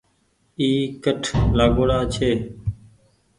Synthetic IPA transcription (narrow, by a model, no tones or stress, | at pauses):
iːkəʈʰlaːɡoːɽaːt͡ʃʰeː